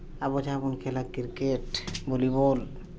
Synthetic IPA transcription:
abod͡ʒabonkʰelakiɾkeʈbolibol

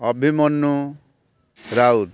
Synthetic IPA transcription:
ʌbʱimʌnːu | ɾaud̪

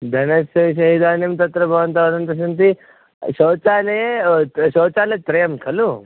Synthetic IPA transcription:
d̪ʱɐnɐsɐɕ̬ɐɦid̪aːnimt̪ɐt̪ɾɐbʱɐʋɐnt̪ɐʋɐd̪ɐnt̪ɐs̬ɐnt̪i | ɕɐt͡sane | ɕoːt͡salet̪ɾɐjɐmkʰɐlu

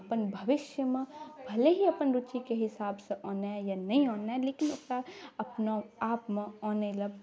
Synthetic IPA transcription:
ɐpənbʱɐʋɪʃjəmẽbʱɐleɦiɐpənɾut͡ʃikeɦɪsaːbseʔɔ̃ːnajanɐɦĩõːnaɛleːkɪnʊskaɐpnoaːpmẽɔːnelɐb

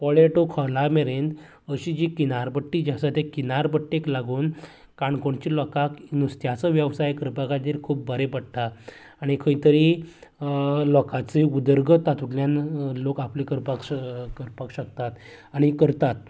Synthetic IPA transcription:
pɔɭeʈokʰɔlameɾẽnd̪ | əɕid͡ʑikinaɾbəʈːiːd͡ʑasat̪ekinaɾbəʈːeklaɡuːn | kaɳkoɳt͡ɕilɔkakinust̪jat͡səʋjəʋsajkəɾpakat̪iɾkʰuːp̚bʱəɾepəɽ̚t̪aː | ɽ̃ikʰəit̪əɾi | lɔkat͡seud̪əɾɡʱət̪at̪ukljanlokaplikəɾpakkəɾpakɕək̚t̪at̪aɽ̃ikəɾt̪at̪̚

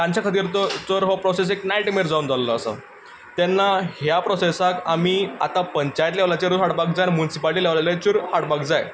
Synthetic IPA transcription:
kãɲt͡ɕjakʰat̪̬iːɾtt͡səɾɦɔpɾɔseseknajʈmeɾd͡zaund͡zalləːsə̰ | t̪ɛnːahjapɾɔsesakamia̰t̪apəɲt͡ɕajt̪laʋlat͡ɕeɾuɦaɽbak̚d͡zajnmunisipaliʈiːlaʋlalat͡ɕuɾhaɽbakd͡zaj

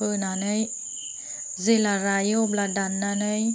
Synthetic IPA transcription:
ənanəj | zelaɾajobladanːanəj

